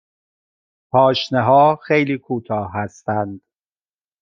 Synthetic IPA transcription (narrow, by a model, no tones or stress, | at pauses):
pʰɒːʃneɦɒːxejliːkʰuːt̪ʰɒːɦæst̪ænd̪̥